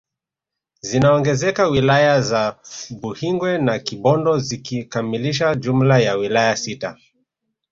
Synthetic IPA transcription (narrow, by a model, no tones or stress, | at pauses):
zinaɔŋɡɛzɛkawilajazaɓuhiŋɡwɛnakiɓɔndɔzikikamiliʃ̬aʄum̩lajawilajasita